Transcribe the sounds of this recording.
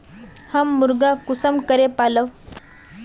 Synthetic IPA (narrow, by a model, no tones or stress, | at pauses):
həmːuɾɡakusəmkəɾepaləʋ